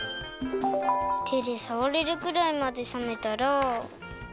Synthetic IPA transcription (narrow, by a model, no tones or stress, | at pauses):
t̪ʰeɾesaβoɾeɾɯ̟kɯ̟ɾaimad̪e̞samet̪aɾo